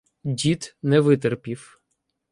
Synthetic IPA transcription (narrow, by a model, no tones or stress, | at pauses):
dʲit̪nɛʋɪt̪ɛrpʲiw